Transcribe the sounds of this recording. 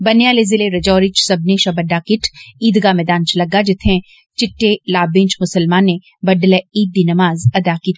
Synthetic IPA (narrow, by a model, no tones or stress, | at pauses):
bɐnjaːlezɪleɾɐd͡ʒɔːɾɪt͡ʃsɐbneʃɐbɐɖaːkɪʈʰiːd̪ɡamɛːd̪aːnt͡ʃʰlɐɡːad͡ʒɪt̪ʰẽ | t͡ʃɪʈːelaːbɪ̃ːnt͡ʃmʊsəlmaːnːe | bɐɖleiːd̪ːinɐmaːzɐd̪akiːt̪